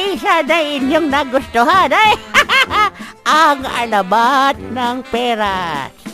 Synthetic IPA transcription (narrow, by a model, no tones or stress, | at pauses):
isanɐŋɪɲjoŋnaɡʊst̪ʊɦanaj | ʔaŋɐ̰lɐbat̪̚nɐŋpɛːɾas